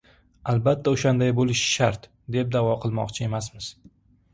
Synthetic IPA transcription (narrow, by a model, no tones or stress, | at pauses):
albat̪ʰːaoʃand̪ajbolɪʃʃaɾt̪ | d̪e̞p̚d̪avɒqʰɨlˠmɒ̰qt͡ʃʰɪe̞masmɪz̥